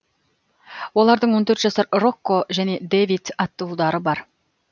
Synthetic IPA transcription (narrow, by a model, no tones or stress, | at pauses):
wo̞lˠɑɾd̪əɴwo̞nt̪ʰɵɾt̪ʒɑsɑɾro̞kːo̞ʒæne̞d̪evit̪ɑt̪ːulˠd̪ɑɾəbɑɾ